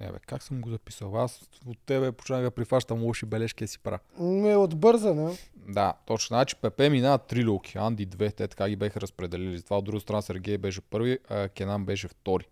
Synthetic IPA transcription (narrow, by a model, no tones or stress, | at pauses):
ɛ̰vɛ̰kaksəmɡozɐpisəlˠas | ot̪ːɛβɛpo̥t͡ʃnaɣɐpɾifaʃt̪əmulˠɔʃibɛlɛʃkʲiɛsi̥pɾanɛod̪bɤɾzənad̪at̪ot͡ʃnəznat͡ʃi̥pɛpɛminaət̪ːɾilʲolˠkʲi̥and̪id̪vɛt̪ɛt̪ɐ̥kaɡʲibɛxɐɾɐspɾɛd̪ɛlɛlizɐt̪ovaod̪ɾuɡəst̪ɾnasɛɾɡʲɛjbɛʃɛpɤɾviəkʲɛnambɛʃ̬ɛft̪ɔɾi